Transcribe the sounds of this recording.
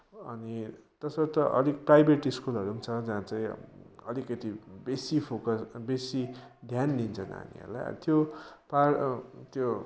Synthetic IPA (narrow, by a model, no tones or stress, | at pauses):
ʌ̰nit̪ʌsʌɾt̪ʌʔʌ̰lik̚prajbʱeʈiskulʌɾunt͡sʰʌd͡zãːt͡saĩʌlikʌt̪ibesipʰokʌsbesid̪ʱjand̪int͡sʰʌna̰nḭʌ̰ɾula̰j̰t̪jopat̪jo